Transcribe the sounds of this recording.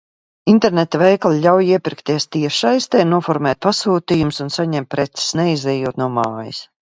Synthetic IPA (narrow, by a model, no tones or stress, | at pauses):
int̪ɛɾnet̪avɛjklˠʎʲawjiɛpʲiɾkt̪iɛst̪iɛʃajst̪ɛːnuɔfɔɾmɛːt̪̚pasuːt̪iːjumsunsaɲɛmt̪̚ʲpɾɛt̪si̥snɛizɛjuːt̪nuɔmaːjḭs